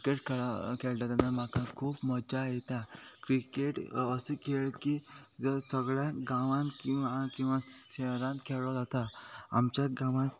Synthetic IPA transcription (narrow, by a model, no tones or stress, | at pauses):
keʈkʰakʰeɭʈ̪at̪anːam̤akakʰuːpmɔd͡ʑajɛt̪akɾikeʈəsekʰeɭkid͡zəɾsəɡɭjaɡãʋãnkĩwʋakĩw̃ʋaɕeɾãnt̪kʰeɭɔd͡zat̪aa̰mt͡ɕjaɡãʋã